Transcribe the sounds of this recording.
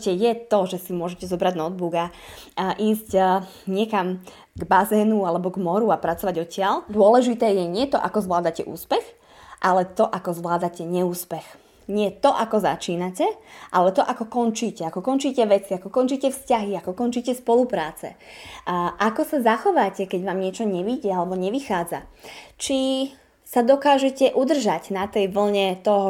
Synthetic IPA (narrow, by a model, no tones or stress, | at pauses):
cɛjɛt̪ɔʒɛsimʊɔʒɛcɛzɔbɾaɟnɔd̪̚buɡa | ʔiːzc | ɲɪɛkam | ɡbazɛːnualɛbɔɡmɔɾuapɾat͡sɔʋaɟɔcɪald̪ʊɔlɛʒit̪ɛːjɛɲɪɛt̪ɔʔa̰kɔzʋlaːd̪acɛ̰ʔṵːspɛx | ʔalɛt̪ɔʔakɔzʋlaːd̪acɛɲɛuːspɛx | ɲɪɛt̪ɔʔakɔza̰t͡ʃiːnacɛʔalɛt̪ɔʔakɔkɔnt͡ʃiːcɛakɔkɔnt͡ʃiːcɛʋɛt͡siakɔkɔnt͡ʃiːcɛfscaɦiakɔkɔnt͡ʃiːcɛspɔlupɾaːt͡sɛ̰ | ʔakɔsazaxɔʋaːcɛkɛɟʋaːmɲɪɛt͡ʃɔɲɛʋiɟɛalɛbɔɲɛʋixaːd͡za̰t͡ʃi | sad̪ɔkaːʒɛcɛʔud̪r̩ʒaɟnat̪ɛjʋl̩ɲɛt̪ɔɦɔ